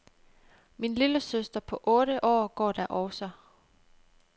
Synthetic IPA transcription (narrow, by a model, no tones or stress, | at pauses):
minliləsøsd̥ɐpʰɒ̽ʔɔ̽ːɾ̥əʔɒ̰ːɡ̥ɒ̰ːd̥æɐ̰ʔɒʊsɐ